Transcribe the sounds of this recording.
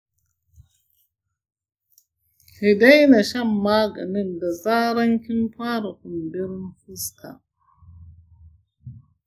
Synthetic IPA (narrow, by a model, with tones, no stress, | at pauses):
hi˨da˦jna˨ʃɐ˦˨mːaː˦ɡɐ̰˨nɪ˦nda˨zaː˦ɾɐ˦ŋkʲɪ˦nɸaː˦ɾa˨kʊ˨mbɪ˦ɾɪ˦nfɪ˦skʰa̰˨